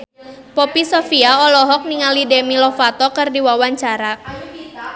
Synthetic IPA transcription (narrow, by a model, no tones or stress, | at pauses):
pɔpisɔfiaɔlɔɦɔk̚niŋalidemilɔfat̪ɔkɨrdiwawaɲt͡ʃaɾa